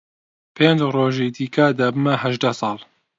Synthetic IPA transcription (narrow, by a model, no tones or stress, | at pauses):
pʰeːnd͡ʒroːʒid̪iːkʰad̪aːbɨmɐhɐʒd̪asˤɑːlˠ